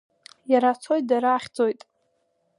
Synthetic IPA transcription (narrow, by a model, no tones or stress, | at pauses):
jaɾat͡sʰo̞jt̚ʼdaɾaːχʲd͡zo̞jtʼ